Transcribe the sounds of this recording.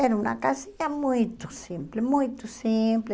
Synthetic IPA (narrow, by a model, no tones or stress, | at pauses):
eɾuna̰kasiɲamujt̪ʊ̥sĩmplemujt̪ʊsimple